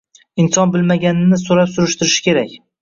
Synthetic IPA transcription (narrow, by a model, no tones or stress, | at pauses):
ɪnsɒnbɪlmaɡʲanɪnɪsoɾapsʊɾɪʃt̪ɪɾɪʃɪ̥kʲʰe̞ɾakʲ